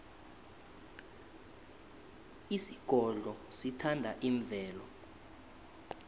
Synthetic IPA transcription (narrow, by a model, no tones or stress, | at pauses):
isiɡ̥ʱɔɮʱɔsitʰandʱaʔiɱvʱɛːlɔ